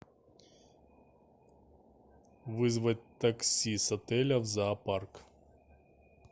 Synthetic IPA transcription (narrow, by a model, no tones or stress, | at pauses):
ʋɨzʋɐt̚ʲt̪ɐksʲisɐt̪ɛlʲɐwzɐːpark